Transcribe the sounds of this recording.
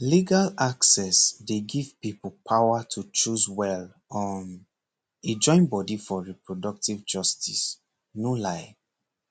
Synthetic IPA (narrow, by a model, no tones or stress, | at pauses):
liɡalaksɛsdeɡivpipulpʰawatʰut͡ʃuswɛl | ɔ̃n | ed͡ʒɔ̃ɪ̃nbɔdifɔɹipɹodɔk̚tivd͡ʒɔstis | nulaɪ